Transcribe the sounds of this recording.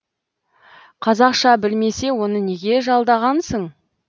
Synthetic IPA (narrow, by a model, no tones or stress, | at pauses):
qʰɑzɑqʃɑbɪlme̞se̞wo̞nəne̞ɡʲe̞ʒɑlˠd̪ɑʁɑnsəɴ